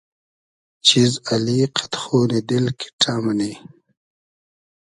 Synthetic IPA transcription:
t͡ʃizaliqʰḁt̪xoːnid̪ɪlkʰi̥ʈʰaːmani

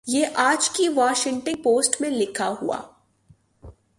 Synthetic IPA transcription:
jeːʔaːd͡ʒkiʋaːʃɪ̃ŋʈɪ̃ŋɡ̚poːsʈmẽlɪkʰaɦua̰ː

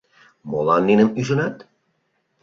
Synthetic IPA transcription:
molɑnːinəmyʒə̆nɑt̪

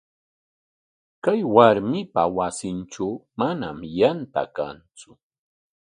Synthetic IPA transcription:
kajwaɾmɪpawasɪnʈ͡ʂawmanamjant̪a̰ka̰nt͡sʊ

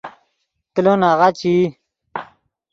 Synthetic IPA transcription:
t̪lonaʁat͡ɕi

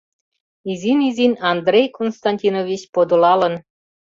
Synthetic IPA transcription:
izinizinʲɑnd̪rʲejkonst̪ɑnʲtʲinovʲit͡ɕpod̪olɑlən

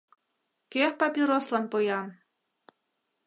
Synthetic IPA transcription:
kehpɑpʲiɾoslˠɑnpɤjɑn

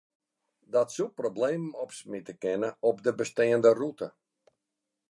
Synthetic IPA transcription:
dɔtsuprobleːmɔpsmitəkɪnəɔpdəbəsteːəndərutə

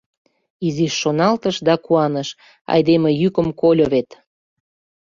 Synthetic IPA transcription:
iziʃːonɑlt̪əʃd̪ɑkuɑnəʃ | ɑ̰jd̪emĕjykə̆mkolʲoβet̪

